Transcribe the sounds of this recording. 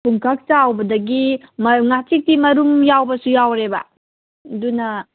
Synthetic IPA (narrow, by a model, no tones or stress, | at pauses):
pʰuŋkʰak̚tawbɐdɐɡimŋat͡ʃik̚timɐɾumjawbɐsujawɾebɐ | dunɐ